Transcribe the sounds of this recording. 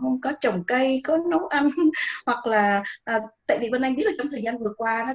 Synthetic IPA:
ə˧ŋ͡mkɔ˨˦t͡ɕə˨˩wŋ͡mkə˧jkɔ˨˦nə˨˦wʔa˧nhwa˨˩k̚laː˨˩ʔəː˨˩t̪a̰ː˧˨jvi˨˩və˧nʔa˧ŋɓi˦˥t̚aː˨˩t͡ɕwŋ͡mt̪ʰəː˨˩zaː˧nvɨ˨˩əkwaː˧nɔ˨˦

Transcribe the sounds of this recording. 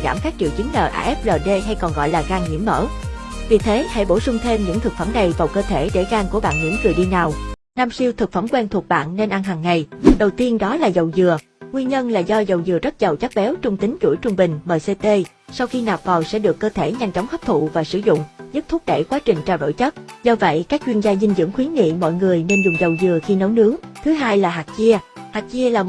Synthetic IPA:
za̰ː˧˩mkaː˦˥k̚t͡ɕḭ˧˨əwt͡ɕi˨˦ŋləː˨˩ʔa̰ː˧ʔɛ˦˥p̚ɗəː˨˩ɗe˧ɦa˧jkɔ˨˩nɣɔ̰˧˨jlaː˨˩ɣaː˧ŋŋḭ˧˥əmːə̰ː˧˥ | vi˨˩t̪ʰe˨˦ha̰˧˥jɓo˧˩sʊ˧ŋ͡mt̪ʰe˧mɲɨ̰˧˥ŋt̪ʰɨ˨˩k̚fə˧˩mna˨˩jvaː˨˩wkəː˧t̪ʰe˧˩ɗe˧˩ɣaː˧ŋku˧˩əɓa̰ː˧˨nŋḭ˧˥mzɨ˨˩əɗi˧naː˨˩w | naː˧msi˧əwt̪ʰɨ˨˩k̚fə˧˩mkwɛ˧nt̪ʰu˨˩ək̚ɓa̰ː˧˨nːe˧nʔa˧nɦaː˨˩ŋːa˨˩jɗə˨˩wt̪i˧ənɗɔ˨˦laː˨˩zə˨˩wzɨ˨˩ə | ŋwi˧ənɲə˧nlaː˨˩zɔ˧zə˨˩wzɨ˨˩əzə˦˥t̚zə˨˩wt͡ɕa˦˥k̚ɓɛ˨˦wt͡ɕʊ˧ŋ͡mt̪ï˨˦ŋ̟t͡ɕṵ˧˩jt͡ɕʊ˧ŋ͡mɓï˨˩ŋ̟məː˨˩jse˧t̪e˧ | sa˧wxi˧naː˨˩p̚vaː˨˩wsɛ̰˧˥ɗɨ˨˩əkːəː˧t̪ʰe˧˩ɲa˧jŋ̟t͡ɕɔ˨˦wŋ͡mhə˦˥p̚t̪ʰṵ˧˨vaː˨˩sɨ̰˧˩zʊ̰˧˨ŋ͡mzɨ˦˥t̚t̪ʰʊ˦˥k̚ɗḛ˧˩kwaː˨˦t͡ɕï˨˩ŋ̟t͡ɕaː˧˩wɗo̰˧˨jt͡ɕə˦˥t̚zɔ˧və̰˧˨jkaː˦˥k̚t͡ɕwi˧ənzaː˧zï˧ŋzɨ̰˧˥əŋxwi˨˦ənŋḭ˧˨mɔ̰˧˨jŋɨ˨˩əjne˧nzʊ˨˩ŋ͡mzə˨˩wzɨ˨˩əxi˧nə˨˦wnɨ˨˦əŋt̪ʰɨ˨˦ɦaː˧jlaː˨˩ɦaː˨˩k̚t͡ɕi˧əhaː˨˩k̚t͡ɕi˧əlaː˨˩

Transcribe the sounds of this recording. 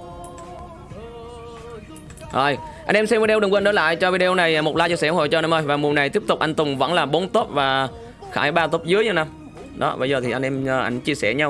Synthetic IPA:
ʔoː˨˩jʔa̰˧jnʔɛ˧msɛ˧mvi˧˩ɗwɗɨ˨˩kːnɗə˨˦˥la̰ː˧˨jt͡ɕɔ˧vi˧ɗe˧o˧wna˨˩jmo˨˩t̚laː˧t͡ɕɨ˧sɛ˧˩˧ho̰˧˨˩jt͡ɕɔ˧na˧mʔəː˧˩jvaː˨˩mu˨˩əna˨˩jt̪i˦˥əp̚t̪ʊ˨˩k͡p̚ʔa˧ŋ̟t̪ʊ˨˩ŋ͡mvə̰˧˥nlaː˨˩ɓo˨˦nt̪o˦˥p̚vaː˨˩ | xaː˧˩jɓaː˧t̪o˦˥p̚zɨ˨˦əjə˧˩nʔa˧m | ɗɔ̰˨˦ɓə̰˧˩jzəː˨˩t̪ʰi˨˩ʔa˧n̟ʔɛ˧mː˧˩ʔa˧˩jŋ̟t͡ɕi˧əsɛ˧˩ɲa˧w

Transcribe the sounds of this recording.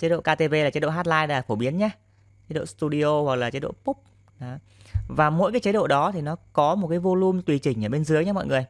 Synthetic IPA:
t͡ɕə˨˦˥ɗo̰˧˨kaː˧t̪e˧ve˧laː˨˩t͡ɕə˨˦ɗo̰˧˨ɦaː˦˥t̚laː˧jla˨˦˨fo˧˩ɓi˨˦ənɲaː˧˦ | t͡ɕə˨˦˥ɗo̰˧˨st̪u˧ɗi˧o˧wa˨˩k̚laː˨˩t͡ɕə˨˦jɗo̰˧˨pu˦˥p̚ | ɗɔ˨˦ | vaː˨˩mo̰˧˥jkaː˨˦jt͡ɕə˨˦jɗo̰˧˨ɗɔ˨˦t̪ʰi˨˩nɔ˨˦kɔ˨˦mo˨˩t̚kaː˨˦jvo˧lu˧mt̪wi˨˩t͡ɕï˧˩ŋ̟ʔəː˧˩ɓe˧nzɨ˨˦əjɲaː˧mɔ̰˧˨jŋɨ˨˩əj

